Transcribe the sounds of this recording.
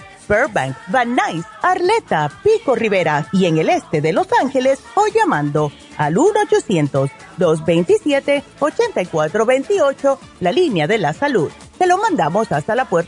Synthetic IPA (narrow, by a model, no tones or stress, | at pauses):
beɾbaŋkbanajsaɾle̞t̪apiko̞riβe̞ɾaie̞ŋe̞le̞st̪e̞ðe̞lo̞saŋxe̞le̞sojʝamãnd̪o̞ | a̰lunot͡ʃo̞sje̞nt̪o̞z | d̪oz̬be̞jnt̪isjet̪e̞o̞t͡ʃe̞nt̪ajkwat̪ɾo̞βe̞jnt̪io̞t͡ʃo̞ | lalinjaðe̞lasaluð | se̞lo̞mãnd̪amo̞sast̪alapweɾ